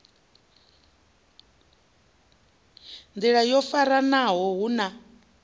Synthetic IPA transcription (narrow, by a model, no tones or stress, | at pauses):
nd͡z̪iɺajɔfaɾanaɦɔɦuna